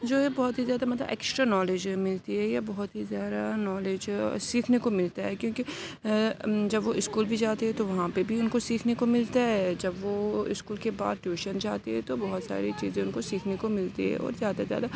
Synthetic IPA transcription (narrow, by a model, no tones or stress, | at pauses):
d͡ʒoːɦɛbɔɦʊt̪ɦizjaːd̪amɐt̪lə̰bɛ̰ːksʈɾanɔːleːd͡ʒmɪlt̪iɦɛjabɔɦʊt̪ɦizjaːd̪anɔːleːd͡ʒsiːkʰnekomɪlt̪aɦɛkjõːki | d͡ʒɐbʋoɪskuːlbʱid͡ʒaːt̪eɦɛ̃t̪oʋɐɦãpebʱiʊnkosiːkʰnekomɪlt̪aɦɛd͡ʒɐbʋoɪskuːlkeba̰ːd̪ʈjuːʃənd͡ʒaːt̪eɦɛ̃t̪obɔɦʊt̪sa̰ːɾet͡ʃḭːzẽʊnkosiːkʰnekomɪlt̪iɦɛ̰̃ɔ̰ːɾzjaːd̪azja̰ːd̪a